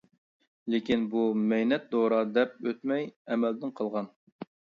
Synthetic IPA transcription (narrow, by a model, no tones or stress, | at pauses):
lekʲinbumɛjnɛt̪̚d̪oɾɑd̪ɛp̚øt̪mɛjɛmɛld̪ɪnqʰəlˠʁɑn